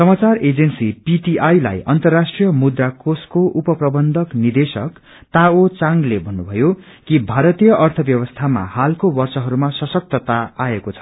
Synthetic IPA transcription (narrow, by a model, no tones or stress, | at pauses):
sʌmat͡sared͡zensipiʈiʔajla̰jʔʌnt̪ʌrːasʈrijʌmud̪rakoskoʔupʌprʌbʌnd̪ʱʌknird̪esʌk | t̪aot͡saŋɡlebʱʌnːubʱʌjo | kibʱaɾʌt̪ijʌʔʌrt̪ʰʌbjʌβʌst̪ʰama̰halkobʌrsʌɦʌɾumasʌsʌk̚t̪ʌt̪aaekot͡sʰʌ̥